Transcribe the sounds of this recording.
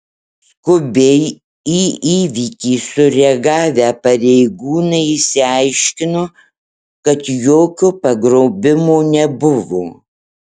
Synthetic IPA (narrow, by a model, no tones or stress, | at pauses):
skʊbʲɛɪ | iːiːʋʲikʲiːsʊɾʲɛɡɑːʋʲæːpɐɾʲɛɪɡuːnɐɪɪsʲɪɑɪʃʲkʲɪno | kɐt̪joːkʲʊpɐɡɾɔʊbʲɪmoːnʲɛbʊʋoː